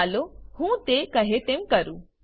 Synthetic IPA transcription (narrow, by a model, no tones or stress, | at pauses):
lohũːt̪ekəɦet̪emkəɾu